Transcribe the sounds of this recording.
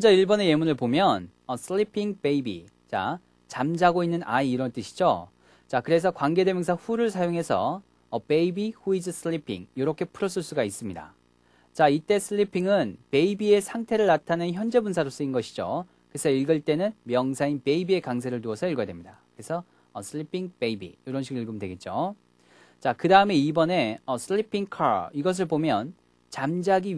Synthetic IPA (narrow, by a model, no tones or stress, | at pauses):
ʌnd͡ʑaiɭbʌne̞je̞munɯɭpomjʌn | ʌsʰɯɭipʰiŋpe̞ibḭ | t͡ɕa̰ | t͡ɕamd͡ʑaɡoinːɯnʔa̰iːɾʌnt͈ɯɕʰi̥d͡ʑo̰ | t͡ɕakɯɾe̞s̬ʰʌkwaŋɡe̞de̞mjʌns̬ʰʌɸuɾɯɭsʰajoŋɦe̞sʰʌː | pe̞ibihuid͡ʑɯs͈ʰɯɭipʰḭŋjoɾʌkʰe̞pʰɯɾos̬͈ʰuɭs͈uɡais͈ɯmɲida̰ | t͡ɕait͈e̞sʰɯɭipʰiŋɯnpe̞ibie̞sʰaŋtʰe̞ɾɯɭːatʰanɯnçjʌnd͡ʑe̞bunsʰaɾos͈ɯinɡʌɕʰid͡ʑo | kɯesʰʌiɭɡɯɭt͈e̞nɯnmjʌŋsʰainpe̞ibie̞kaŋs̬ʰe̞ɾɯɭtuʌsʰʌiɭɡojadwemɲidakɾesʰʌ | ʌsʰɯɭipʰiŋpe̞ibḭjoɾʌnɕʰiɡɯiɭɡɯmdwe̞ɡe̞t̚t͡ɕ͈o | t͡ɕakɯdaɯme̞ibʌne̞ʌsʰɯɭːipʰiŋkʰaɭiɡʌs̬ʰɯɭbomjʌn | t͡ɕamd͡ʑaɡi